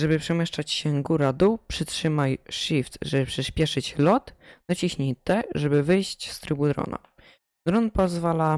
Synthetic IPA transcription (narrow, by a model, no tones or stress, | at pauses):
ʐɛbɘpʂɛmʲjɛʂt͡ʂat͡ɕɕɛɡuɾad̪upʂɘtʂɘmajʂift̪ʐɛbɘpʂɛɕpʲjɛʂɘt͡ɕlɔt̪d̪ɔt͡ɕiɕɲejt̪ɛʐɛbɘvɘjɕt͡ɕst̪ɾɘbud̪ɾɔ̰na̰ | d̪ɾɔnpɔzvala